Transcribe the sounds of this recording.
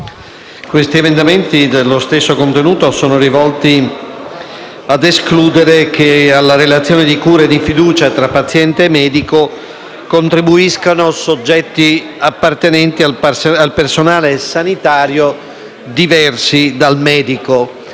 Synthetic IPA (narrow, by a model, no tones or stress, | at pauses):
kwest̪iemend̪ament̪id̪elːost̪esːokont̪enuːt̪osoːnorivɔlt̪i | ad̪eskluːd̪eɾek̟ealːaɾelat̪sːjɔːned̪ikuːɾad̪ifid̪uːt͡ʃat̪ɾapːat̪sːjɛnt̪eːmːɛːd̪iko | kont̪ɾibuiskanosod͡ʒːɛt̪ːi | apːart̪enɛnt̪iasalpersonaːlesanit̪aːɾjo | d̪ivɛrsid̪almɛːd̪iko